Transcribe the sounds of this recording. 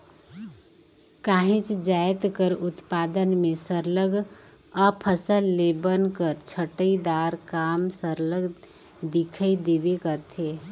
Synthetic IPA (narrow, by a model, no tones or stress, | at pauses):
kaːɦɪ̃t͡ʃd͡ʒaːɪt̪kəɾʊt̪paːd̪ənmẽsəɾləɡ | əpʰəsəlːebənkəɾt͡ʃʰəʈəid̪aːɾkaːmsəɾləɡ | d̪ɪkʰaid̪eːʋekəɾt̪ʰeː